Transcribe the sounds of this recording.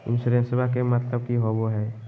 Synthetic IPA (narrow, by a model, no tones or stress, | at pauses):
ɪ̰nsuɾẽnsebakemət̪ləbkiɦoboɦɛː